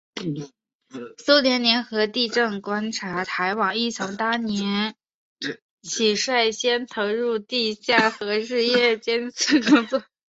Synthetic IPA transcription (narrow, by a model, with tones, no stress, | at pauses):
so˥ʊljɛ˧˥nnjɛ˧˥nxɤ˧˥t̪i˥˧ʈ͡ʂɤ˥˩ŋkwa˥nʈ͡ʂʰa˧˥t̪ʰa˧˥ɪwɑ˨˩ŋi˥˩t͡sʰʊ˧˥ŋt̪a˥njɛ˧˥n | t͡ɕʰi˨˩ʂwa˥˩ɪɕjɛ˥nt̪ʰɤ˧˥ɻu˥˧t̪i˥˧ɕja˥˩xɤ˧˥ɻɻ̩˥˧jɛ˥˩t͡ɕjɛ˥nt͡sʰɹ̩˥˩kʊ˥ŋt͡swɔ˥˩